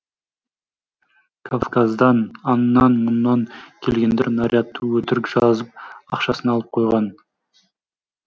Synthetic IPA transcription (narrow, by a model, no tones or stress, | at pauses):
kʰofkazd̪ɑnɑnnːɑnmʊnːɑŋkʲʰe̞lɡʲe̞nd̪eɾnaɾʲʔʲiɑt̪ːəwɵt̪ɪɾɪkʒ̥ɑzəp̚ɑqʃɑsənɑlˠəp̚qʰo̞jʁɑn